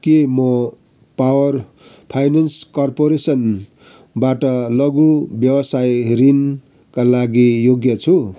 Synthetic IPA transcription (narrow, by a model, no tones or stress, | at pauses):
kemʌ | pawʌr | pʰajnanskʌrpoɾesʌn | baʈʌlʌɡubjʌwʌsajrin | kalaɡijoɡjʌt͡sʰu